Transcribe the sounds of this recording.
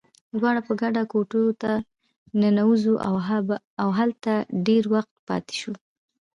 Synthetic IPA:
d̪wɑɽapəɡaɖakoʈut̪a | nanawuzuʔa | awɦalt̪aɖeɾwaxt̪̚pɑ̰t̪e̥ʃu

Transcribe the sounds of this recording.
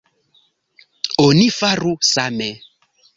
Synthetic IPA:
onifarusamɛ

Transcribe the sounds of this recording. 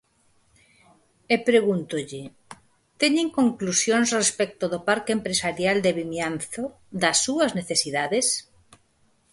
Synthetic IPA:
epɾeɣunt̪ʊʎɪ | t̪eɲeŋkoŋklusjõŋsrespɛk̚t̪oðopaɾkeempɾesaɾjald̪eβimjanθo | d̪ɐsːuɐzneθesiðaðes

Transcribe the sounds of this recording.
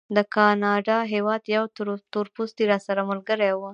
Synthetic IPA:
d̪əkɑnɑɖɑɦewɑd̪jawt̪t̪uɾpust̪iɾɑsaɾamʊlɡəɾajwə

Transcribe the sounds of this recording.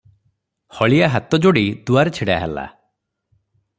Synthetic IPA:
hɔɭiaɦat̪ɔd͡ʒoɽid̪uaɾet͡ʃʰiɽaɦḛla̰

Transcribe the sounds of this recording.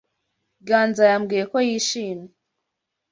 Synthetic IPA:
ɡaːnzajamɡijeko̞jiːʃiːmɲe

